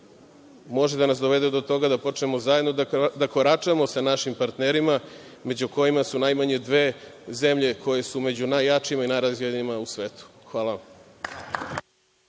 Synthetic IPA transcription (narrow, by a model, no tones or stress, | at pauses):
mo̞ʒed̪anas̬d̪o̞ʋe̞d̪ed̪o̞t̪o̞ɡad̪apo̞t͡ʃne̞mo̞zajed̪nod̪ako̞ɾat͡ʃamo̞sanaʃimpaɾt̪neɾimame̞d͡ʑuko̞jimasunajmaɲe̞d̪ʋe̞ze̞mʎe̞kʰo̞je̞sume̞d͡ʑunajːat͡ʃiimainajɾazjedenimausʋe̞ːt̪u̥xʋaːla